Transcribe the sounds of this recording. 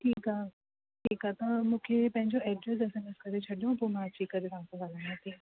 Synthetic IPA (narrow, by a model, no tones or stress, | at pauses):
ʈʰiːkaː | ʈʰiːkaːt̪ɐmũːkʰepɐ̃ɦɪ̃ɲd͡ʑoɛɖɾesesẽmeskɐɾet͡ɕʰɐɗijũpumãt͡ɕʰiːkːɐɾet̪aãsɐ̃ɡʱaːlãat̪ʰiː